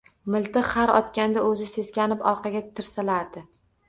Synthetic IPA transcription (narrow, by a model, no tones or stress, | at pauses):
mɪlt̪ɪqχaɾɒt̪kʲand̪aɵzɪse̞z̥kʲanɪpɒɾqʰɑɡʲat̪ʰɪɾsalaɾd̪ɪ